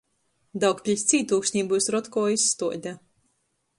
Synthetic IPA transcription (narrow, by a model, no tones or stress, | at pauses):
d̪awkʲpʲilʲst̪siːt̪uːkʃʲnʲiːbuːsɾɔt̪kɔːisːt̪uɔd̪ʲa